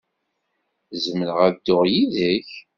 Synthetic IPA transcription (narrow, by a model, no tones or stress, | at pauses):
zəmələʁæd̪ʊʁjiðəç